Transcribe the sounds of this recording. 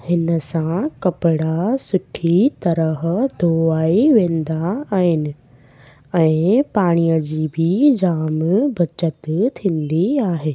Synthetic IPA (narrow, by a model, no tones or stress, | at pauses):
hɪnəsãkɐpɪɽasʊkʰit̪ɐɾəɦd̪ʱoːaːiʋẽːnd̪aːɦɪnɪ̆ | ɛ̃ːpaːɽ̃ijəd͡ʑiːbʱɪid͡ʑaːmbʱɐt͡ɕət̪t̪ʰĩːnd̪iaːɦeː